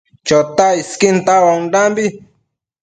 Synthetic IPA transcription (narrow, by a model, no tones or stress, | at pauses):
t͡ʃot̪aiskint̪awaŋdambi